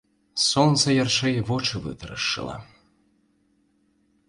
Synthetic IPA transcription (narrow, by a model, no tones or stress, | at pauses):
sɔnt̪sɐjɐrʂɛjvɔt͡ʃɨvɨ̰t̪ɾɐ̰ʂːɨ̰lˠɐ̰